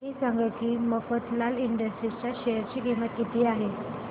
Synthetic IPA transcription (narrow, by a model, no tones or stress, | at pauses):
esaŋɡəkiːməfət̪laliɳɖəsʈɾit͡ɕaɕejəɾt͡ɕiːkimət̪̚kit̪ʰiːaɦe